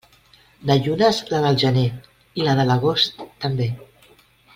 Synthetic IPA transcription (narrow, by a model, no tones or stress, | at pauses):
naʎunazlaðəlˠʒəne | ilaðələɣost̪ːəmbe